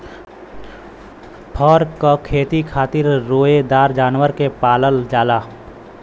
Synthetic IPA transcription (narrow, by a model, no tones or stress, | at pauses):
pʰɔːɾkokʰeːt̪ikʰaːt̪ɪɾːoːed̪aːɾd͡ʒaːnwəɾkepaːləld͡ʒaːlaː